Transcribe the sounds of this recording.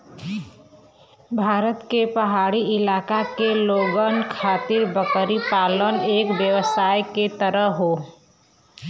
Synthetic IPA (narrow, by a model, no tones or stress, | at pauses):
bʱaːɾət̪kepɐɦaːɽiɪlaːkakeloːɡənkʰaːt̪ɪɾbəkəɾipaːləneːkʋjəʋəsaːjket̪əɾəɦoː